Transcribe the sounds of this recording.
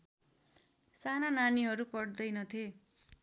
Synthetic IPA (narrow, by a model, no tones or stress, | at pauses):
sanananiɦʌɾupʌɽd̪ʌjnʌt̪ʰe